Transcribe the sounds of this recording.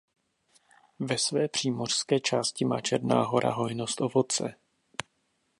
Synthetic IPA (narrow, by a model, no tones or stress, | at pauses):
vɛsvɛːpr̝̥iːmo̞r̝̥skɛːt͡ʃaːscɪmaːt͡ʃɛɾna̰ːɦo̞ɾa̰ɦo̞jno̞st̪ʔo̞vo̞t͡sɛ̰